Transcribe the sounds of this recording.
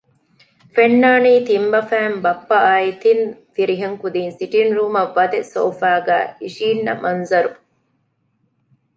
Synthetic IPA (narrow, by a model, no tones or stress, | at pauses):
fenːaːniːt̪imbɐfæːmbɐpːɐaːjit̪infiɾiɦeŋkud̪iːnsiʈinɾuːmɐʋːɐd̪eso̰ːfaːɡæ̰ːhiʃiːnːɐ̰mʔɐnzɐɾu